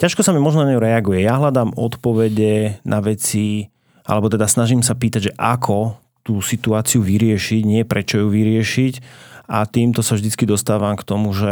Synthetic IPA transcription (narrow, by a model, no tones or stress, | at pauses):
caʃkɔsamimɔʒnɔnaɲɛuɾɛaɡujɛjaɦʎad̪aːmɔt̪pɔʋɛɟɛnʔaʋɛt͡si | ʔa̰lɛbɔt̪ɛd̪asnaʒimsapiːt̪aɟʒɛʔakʰɔ | t̪uːsit̪uaːt͡siuʋiɾɪɛʃiɟɲɪɛpɾɛt͡ʃɔjuʋiɾɪɛʃicat̪iːmt̪ɔsavʒd̪it͡skid̪ɔst̪aːʋamkt̪ɔmuʒɛ